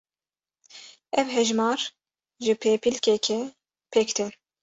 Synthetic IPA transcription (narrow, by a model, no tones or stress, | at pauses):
ɛvɦɛʒmɑːɾ | ʒɨpʰeːpilkɛkʰɛ | pʰɛkt̪ʰɛ